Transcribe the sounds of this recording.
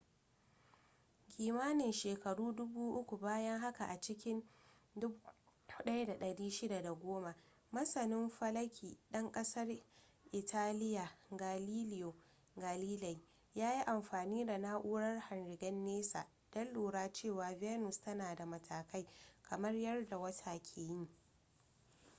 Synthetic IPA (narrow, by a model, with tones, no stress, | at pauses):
kʲiː˨maː˦nɪ˨nʃeː˨kɐ˨ɽuː˦dʊ˦buː˦ʔʊ˦kʷu˨baː˦jɐ˦ŋɦa˦ka˨ʔa˨t͡ʃɪ˦kʲɪ˦ndʊ˦ʊ˦ɗɐ˦jda˨ɗɐ˨ɽiː˦ʃɪ˦da˨da˨ɡʷoː˦ma˨ | mɐ˦sɐ˨nɪ˦mɸɐ˦lɐ˦kʲʰiː˨ɗɐ˦ŋkʼɐ˦sɐ˦r | ʔɪ˨tʰaː˦lɪ˦ja˨ɡa˨liː˦lɪ˦jo˨ | ɡa˨liː˦lɐ˨j | jaː˦ji˦ʔa˨mɸaː˨niː˦da˨na˦ʔuː˦ɽɐ˦rhɐ˨nɾɪ˨ɡɐ˦nːeː˦sa̰ː˨ | d̥ɐ˦lːuː˨ɽaː˦t͡ʃeː˦˨waː˨vɛː˦nʊ˨stɐ˦naː˨da˨mɐ˨tʰaː˨ka˦jkʰɐ˨mɐ˦rjɐ˦rda˨wɐ˦tʰaː˨kʲʰeː˨jɪ˦ŋ